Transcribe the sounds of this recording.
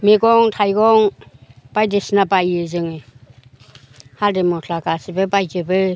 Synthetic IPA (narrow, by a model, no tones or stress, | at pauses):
miɡɔŋtʰajɡɔŋb̥ajdesnabajɯzɯŋɯ | haldemɔtʰlaɡasibɯbajd͡ʒɯbɯ